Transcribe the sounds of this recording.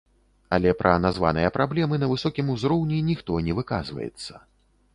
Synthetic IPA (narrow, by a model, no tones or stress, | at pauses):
alʲɛpɾʔɐnazva̰nɨ̰jɐpɾablʲɛmɨnɐvɨsɔkʲimuzɾɔwnʲinʲixt̪ɔnʲɛvɨka̰zvɐ̰jɛ̰t̪sːɐ